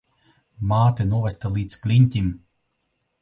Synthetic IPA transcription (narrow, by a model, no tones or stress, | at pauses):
maːt̪ɨnuɔvʲɛst̪alˠiːt̪sklʲinʲt̪ʲim